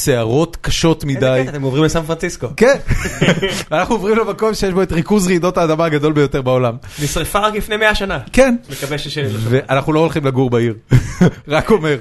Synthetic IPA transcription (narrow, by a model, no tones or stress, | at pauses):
seaʁo̞tkaʃo̞tmidajt̪emovʁimlesanfʁansisko̞ken | veanaχnuovʁimlemako̞mʃejeʃboetʁikuzʁiːdo̞taːdamaːɡado̞lbejo̞t̪e̞ʁbaolamnisʁefaʁaklifnejmeaʃanakenmekabeʃeʃeveʔanaχnuloolχimlaɡuʁbaiʁʁako̞me̞ʁ